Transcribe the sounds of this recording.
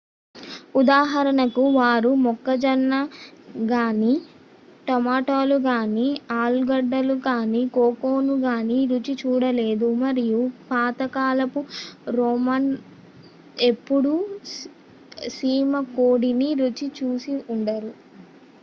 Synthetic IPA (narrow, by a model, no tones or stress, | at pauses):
ud̪aːɦɐɾɐnɐkuʋaːɾumɔkːɐd͡ʒɐnːaɡaːni | ʈɔmaːʈoːluɡaːniaːlɡɐɖːɐlukaːnikoːkoːnuɡaːniɾut͡ʃit͡ʃuːɽɐleːd̪umɐɾijupaːt̪ɐkaːlɐpuɾɔːman | e̞pːuɽu | siːmɐkoːɽiniɾut͡ʃit͡ʃuːsiuɳɖɐɾu